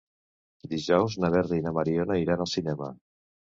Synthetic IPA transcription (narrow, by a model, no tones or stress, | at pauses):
d̪iʒɔwznaβɛrinəmaɾionaiɾanəlˠsinɛmə̰